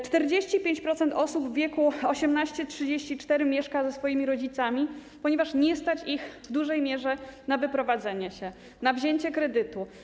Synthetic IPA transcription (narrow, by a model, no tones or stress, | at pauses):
t͡ʂt̪ɛɾd͡ʑeɕt͡ɕipʲjeɲt͡ɕpɾɔt̪sɛnt̪ɔsubvːʲjɛkuɔɕɛmnaɕt͡ɕɛtʂɘd͡ʑeɕt͡ɕit͡ʂt̪ɛɾɘmʲjɛʂkazɛsfɔjimʲiɾɔd͡ʑit̪samʲi | pɔɲɛvaʂɲɛst̪at͡ɕixvd̪uʐɛjmʲjɛʐɛnavɘpɾɔvad̪zɛɲɛɕɛ | navʑeɲt͡ɕɛkɾɛd̪ɘt̪u